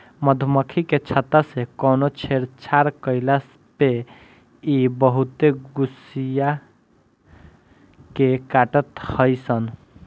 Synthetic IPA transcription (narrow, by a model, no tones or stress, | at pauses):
məd̪ʱməkʰiket͡ʃʰət̪asekɔːnot͡ʃʰeɾt͡ʃʰaɾkəɪlas | pe | ibəɦut̪eɡusija | kekaʈət̪həjsən